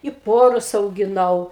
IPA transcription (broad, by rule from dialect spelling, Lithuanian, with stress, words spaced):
ɪ ˈpoːrʊs ɐʊɡʲɪˈnɐʊ